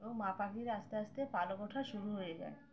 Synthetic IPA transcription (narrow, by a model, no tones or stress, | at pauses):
omapakiɾast̪east̪epalokɔʈʰaʃuɾuɦojed͡ʑa̰e